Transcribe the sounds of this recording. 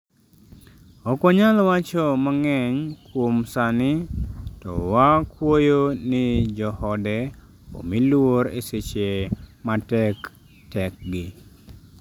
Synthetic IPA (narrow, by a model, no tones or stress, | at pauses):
ɔkɔɲalɔwat͡ʃɔmaŋɛɲkwomsanɪtɔ̰wakwojonɪd͡ʒɔhɔdɛ | o̰milwoɾḛset͡ʃematɛk | tɛk̚ɡɪ